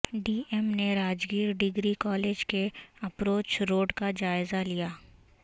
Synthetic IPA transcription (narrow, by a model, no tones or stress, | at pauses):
ɖiːemneɾaːd͡ʒɡiːɾɖɪɡɾikɔːleːd͡ʒkeɐpɾoːt͡ʃɾoːɖkad͡ʒaːɪzalijaː